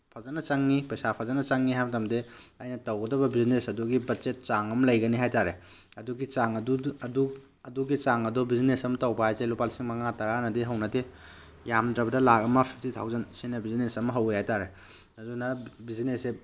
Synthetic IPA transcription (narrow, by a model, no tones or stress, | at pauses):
pʰazanɐt͡ʃaŋːipɐjsapʰɐzanɐt͡ʃaŋːiɦajbɐtamdeajnɐtɐwɡɐdɐbɐbizinesɐduɡibɐtzet̚t͡ʃaŋɐmlɐjɡɐniɦajtaɾe | ɐduɡit͡ʃaŋɐduɐdu | ɐduɡit͡ʃaŋɐdɔbizinesɐmtɐwbaajzelupalsiŋmɐŋatɐɾanɐdiɦɐwnɐde | jamdɾɐbɐdɐlakɐmɐpʰik̚titʰa̰wzɐnsinɐbizinesɐmɐɦɐwejhajtaɾe | ɐdunɐbizinese